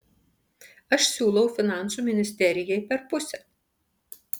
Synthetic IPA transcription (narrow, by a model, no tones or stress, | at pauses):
ɐʃsʲuːlˠɐʊfʲɪnɑˑnˑsuːˑmʲɪnʲɪsʲt̪ʲɛɾʲɪjɛɪpʲɛɾpʊsʲɛ